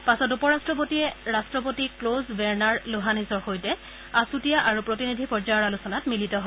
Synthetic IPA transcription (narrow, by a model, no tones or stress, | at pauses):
pasɔt̬upɔɹastɹɔp̬otiɛɹastɹɔp̬otiklozbɛɹnaɹluɦanisɔɹxojtɛ | asutijaʔaɹupɹotinidʱipɔɹzajɔɹalusɔnatmilitɔɦɔ